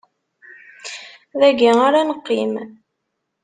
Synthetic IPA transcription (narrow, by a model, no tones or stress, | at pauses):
ðæɡiaɾanəqːim